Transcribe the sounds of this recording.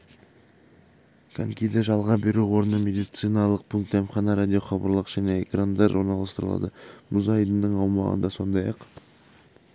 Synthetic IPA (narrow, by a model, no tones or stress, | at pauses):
kʰaŋkʲijd̪ɪʒɑlˠʁɑbe̞ɾuwo̞ɾənəmʲe̞d̪ijt̪sɨjnɑlˠəq̚pʰʊlˠt̪emχɑnɑɾad̪ʲijo̞χɑbɑ̰ɾlˠəqʒ̥æne̞ekrand̪ɑɾoɾnɑlˠɑst̪əɾəlˠɑ̰d̪ə̰mʔuzɑjd̪ənd̪əɴɑwmɑ̰ʁə̰nd̪ɑso̞nd̪ɑjɑ̰q